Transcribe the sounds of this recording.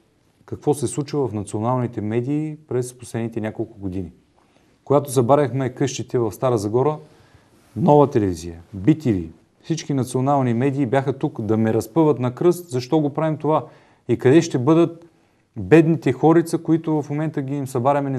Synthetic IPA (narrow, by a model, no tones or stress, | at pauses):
kɐkvɔsɛslˠut͡ʃəvɐfnɐt̪sionalˠnit̪ɛmɛd̪iːpɾɛsposlɛd̪nit̪ɛnʲakolˠkʊɡod̪ini | koɡat̪osɐbaɾəxmɛkɤʃt̪it̪ɛvɐfst̪aɾəzɐɡɔɾə | nɔvət̪ɛlɛvizijəbit̪ivḭ | fsit͡ʃkinɐt̪sionalˠnimɛd̪iːbjaxət̪ukd̪ɐmɛɾɐspɤvət̪nɐkɾɤst̪zɐʃt̪ɔɡopɾavimt̪ova | ikɐd̪ɛʃt̪ɛbɤd̪ət̪̚ | bɛd̪nit̪ɛxɔɾit̪səkoit̪ʊvɐfmomɛnt̪əɡʲiimsɐbaɾɐmɛn